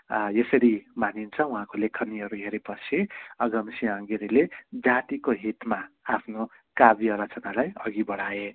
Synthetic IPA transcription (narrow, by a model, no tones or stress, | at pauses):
jesʌɾimanint͡sʰʌũɦãkolekʰʌniʌɾuɦeɾepʌt͡sʰĩʌɡʌmsiaŋɡiɾiled͡zat̪ikoɦit̪maapʰno | kabiʌɾʌt͡sʌnalajʌɡibʌɽ̤ae